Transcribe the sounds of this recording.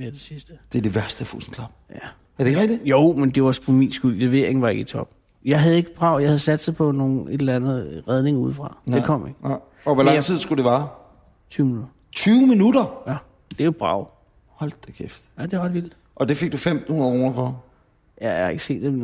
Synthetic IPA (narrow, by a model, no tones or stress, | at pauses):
med̥e̝sisd̥əd̥e̝ɐd̥e̝ʋæɐsd̥əfṵsn̩ʰlɑ̈b̥jæ | æɐd̥eʁɛɡd̥ijoʊmend̥e̝ʋɑspʰɒ̽mḭːnsɡ̥ulleʋe̝̰ɐ̰eŋ̩ʋɑ̈e̝ɡ̥it͡sʰɒ̽b̥̚ | jɑ̈ɪɦæð̞̩ˠe̝ɡ̥əb̥ʁɑ̈ʊ̰jɑɪhæðˠsæd̥sapʰɒ̽no̝ːn̩e̝d̥lænð̩ˠʁɛð̞ˠne̝ŋɐuð̞̰ˠfʁɑ̈d̥ekʰɒ̽m̰eɡ̥ə | ɒʋælɑ̈ŋ̰t͡sʰið̞̰ˠsɡ̥ud̥e̝ʋɑ̈ː | t͡sʰyːʊminudd̥ɐ | t͡sʰyːʊminud̥ɐjæ | d̥e̝ob̥ʁɑ̰̈ʊ̰ | hɒ̽l̰d̥ekʰefd̥jæd̥e̝ʁɑd̥ʋild̥ | ʔɒ̽d̥e̝fe̝ɡ̥̚d̥ufem̰d̩hunˠkʁoːnɐfɒ | jæhɑe̝ɡ̥se̝̰ːd̥em